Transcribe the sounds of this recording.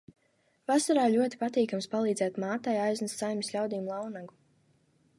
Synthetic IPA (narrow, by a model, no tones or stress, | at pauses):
vasaɾaːlʲuɔt̪i̥pat̪iːkamspalˠiːd̪zɛːt̪maːt̪ajajznast̪sajmʲisʲlʲawd̪iːmlˠawnaɡu